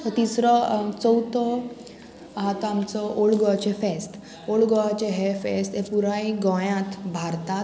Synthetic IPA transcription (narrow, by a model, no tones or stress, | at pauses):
t̪ət̪isɾɔt͡sɔwt̪ɔ | ɦat̪amt͡sɔʔoɭɡɔat͡ɕefesʈ | oɭɡɔat͡ɕeɦefesʈ̪epuɾaiɡɔ̃jãt̪bʱaɾt̪a